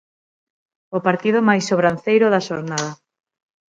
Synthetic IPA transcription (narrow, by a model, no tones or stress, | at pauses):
opaɾt̪ið̞omajsːoβɾanθejɾʊðaʃoɾnaðɐ